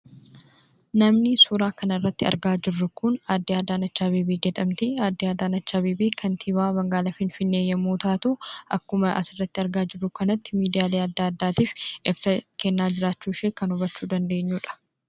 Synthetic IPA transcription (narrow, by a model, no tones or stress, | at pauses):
nɐmnɪsuːɾaːkɐnɐɪrːɐt̪ːɪɐ̰ɾɡaːd͡ʒɪrːʊkʊnaːd̪ːiaːd̪aːnɐt͡ʃːaːbiːbeːd͡ʒɛᶑ̪ɐmt̪ɪaːd̪ːiaːd̪aːnɐt͡ʃːaːbeːbeːkʰɐnt̪ʰiβaːbɐŋɡaːlɐfɪnfɪnːe̞ːjːɐmoːt̪aːt̪ʊʔɐkːʊmɐʔɐ̰sɪrːɐt̪ːɪɐɾɡaːd͡ʒɪrːʊkɐnɐt̪ːɪ̥miːd̪ɪjaːleːɐd̪ːaːɐd̪ːaːt̪iːfʔɪbsɐkɛnːaːd͡ʒɪɾaːt͡ʃːuːʃeːkɐnʊbɐt͡ʃːuːd̪ɐnd̪e̞ːɲːuːᶑɐ̥